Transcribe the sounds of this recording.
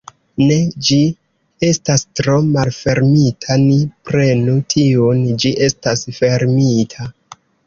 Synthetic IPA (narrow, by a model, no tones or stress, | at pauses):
ne̞d͡ʒi | e̞stastɾo̞malfe̞ɾmitʰanipɾe̞nutʰiond͡ʒiʔe̞stasfe̞ɾmitʰa